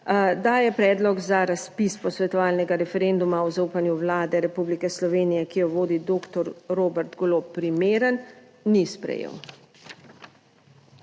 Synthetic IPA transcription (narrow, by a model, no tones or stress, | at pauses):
d̪ajɛpɾɛːd̪lɔɡzaɾaspispɔsʋɛt̪ɔʋaːlnɛɡaɾɛfɛɾend̪umaɔzauːpanjuʋlaːd̪ɛɾɛpublikɛslɔʋeːnijɛkijɔʋoːd̪id̪oːkt̪ɔɾɾoːbɛɾt̪ɡloːpːɾimeːɾənː | ispɾɛ̰jḛːw